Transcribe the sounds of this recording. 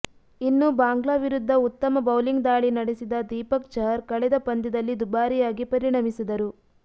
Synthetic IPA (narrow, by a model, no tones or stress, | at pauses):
inːubaːŋɡɭaːʋiɾud̪ʱːɐut̪ːɐmɐbɐwliŋɡd̪aːɭinɐɽesid̪ɐd̪iːpɐk̚t͡ʃɐɾkɐɭɛd̪ɐpɐnd̪id̪ɐlːid̪ubaːɾijaːɡipɐɾiɳɐmisid̪ɐɾu